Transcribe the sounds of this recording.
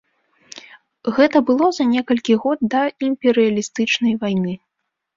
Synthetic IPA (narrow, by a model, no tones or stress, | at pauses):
ɣɛt̪ɐbɨlˠɔzɐnʲɛkɐlʲkʲiɣɔd̪̚d̪ɐimpʲɛɾɨɐlʲist̪ɨt͡ʂnɐjvajnɨ